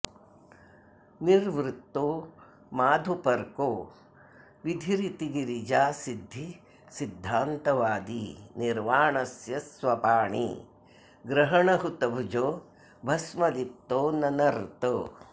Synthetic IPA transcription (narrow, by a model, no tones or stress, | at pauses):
niɾʋɾut̪ːoː | maːd̪ʱupɐɾkoː | ʋid̪ʱiɾit̪iɡiɾid͡ʒaːsid̪ʱːi | sid̪ʱːaːnt̪ɐʋaːd̪iniɾʋaːɳɐsjɐsʋɐpaːɳḭ | ɡɾɐɦɐɳɐɦut̪ɐbʱud͡ʒoː | bʱɐsmɐlit̪ːoːnɐnɐɾt̪o